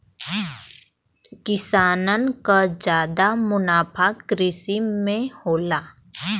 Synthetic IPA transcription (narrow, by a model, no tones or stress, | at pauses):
kɪsaːnənkad͡ʒjaːd̪amʊnaːpʰakɾɪsimẽhoːlaː